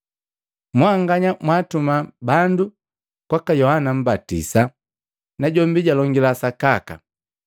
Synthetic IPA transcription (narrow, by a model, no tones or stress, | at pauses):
mwaŋɡaɲamwaːtumabandu | kwakajɔhanam̩batḭsa | naɟɔmbiɟalɔŋɡilasakaka̰